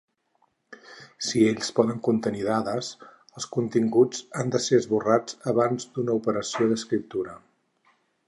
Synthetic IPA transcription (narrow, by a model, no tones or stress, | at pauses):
sieʎʲspɔðəŋkunt̪əniðaðəs | əlˠskunt̪iŋɡud͡zand̪əseəzβurad͡zəβ̞anzd̪unəupəɾəsioðəskɾip̚t̪uɾə